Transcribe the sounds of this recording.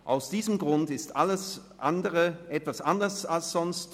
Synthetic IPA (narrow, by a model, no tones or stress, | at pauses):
ʔa̰ʊsd̥iːzəmɡʁʊntɪstʔaləs | ʔandəʁəʔɛtv̥asʔandɐsalsz̥ɔnst